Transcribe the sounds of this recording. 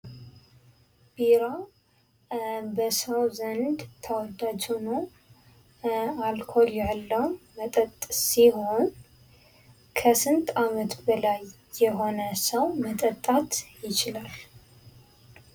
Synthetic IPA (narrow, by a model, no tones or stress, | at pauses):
b̥iɾa | bəsəwzənd̪t̪ʰəwɔd̪ad͡ʒhuno | alkʰo̞ljalːəwmət̪ʼət̪ʼːssiɦo̞n | kʰəsɨnt̪ʼamət̪bəlajː | ɛɦo̞nəsəwmət̪ʼət̪ʼːat̪jɪt͡ʃɪlal